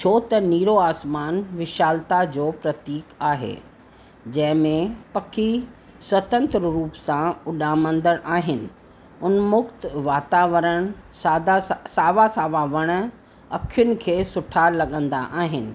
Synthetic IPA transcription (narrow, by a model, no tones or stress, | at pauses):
t͡ɕʰoːt̪ɐniːɾoaːsmaːnʋɪʃaːlt̪ad͡ʑoːpɾɐt̪iːkaːɦḛː | d͡ʑɐ̃ɦɪ̃mẽpɐkʰi | swɐt̪ə̃nt̪ɾəɾuːpsãʊɗaːmə̃nd̪əɽʔaːɦɪnɪ̆ | ʊnmʊkt̪ʋaːt̪aːʋəɾəɽ̃saːd̪asaːʋasaːʋaʋɐɽ̃ə̆ | ɐkʰijʊnɪ̆kʰeːsʊʈʰalɐɠə̃nd̪a̰ʔaːɦɪnɪ̆